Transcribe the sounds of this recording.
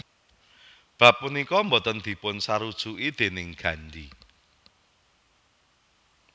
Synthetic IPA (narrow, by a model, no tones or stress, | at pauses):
b̥ä̤p̚ːunikɔmbɔt̪ənd̪̥i̤pʊnsaɾud̥ʒ̥uʔid̪̥e̤nɪŋɡ̥ä̤nɖi